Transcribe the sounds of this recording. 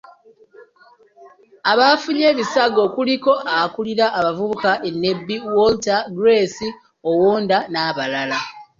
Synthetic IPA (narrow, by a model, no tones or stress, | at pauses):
aβafuɲe̞ːβisaɡo̞kuliko̞ʔaakuliɾaʔːβavuβukaʔenːe̞bːiwoltaɡɾe̞si | owoːndanaːβalala